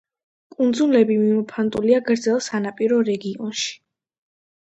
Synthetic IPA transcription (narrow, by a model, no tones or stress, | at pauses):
kʼund̪zulɛbimimɔpʰant̪ʼuliaɡɾd̪zɛlˠsanapʼiɾɔɾɛɡiɔ̰nʃi̥